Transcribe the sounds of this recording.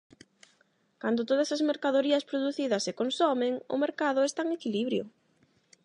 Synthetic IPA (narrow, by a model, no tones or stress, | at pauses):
kand̪ʊt̪oðɐsɐzmeɾkaðoɾiɐspɾoðuθiðɐsːɪkonsomɪŋʊ̰meɾkaðʊest̪aŋekiliβɾjʊ